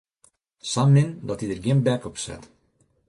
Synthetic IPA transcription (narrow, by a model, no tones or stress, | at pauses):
samːɪnd̪ɔt̪id̪əɾɡɪmbɛkɔpsɛ̰t̪